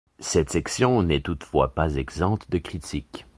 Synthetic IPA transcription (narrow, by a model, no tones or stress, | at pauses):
sɛt̪sɛksjɔ̃nɛt̪ut̪fwa̰pazɛɡzɑ̃t̪d̪əkχit̪ʰik